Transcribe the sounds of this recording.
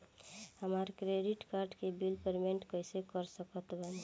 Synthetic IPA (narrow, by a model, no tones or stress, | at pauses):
həmaɾkɾeɖiʈkaɾɖkebilpəɾmeɳʈkəɪsekəɾsəkət̪bən